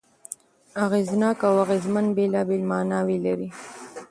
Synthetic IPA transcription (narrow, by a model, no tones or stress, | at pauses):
aɣeznɑːkawaɣezmanbelɑbelmɑnɑwelaɾi